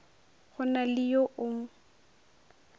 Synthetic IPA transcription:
χʊnalɪjoʔʊŋ̩

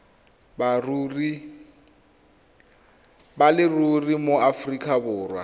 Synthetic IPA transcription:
brri | balɪrurimoafrikʰʼabʊːrwa̰

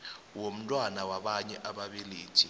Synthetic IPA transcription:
wom̩tʼwanawaɓaɲɛʔaɓaɓiliːd̥ʒ̥ʱi

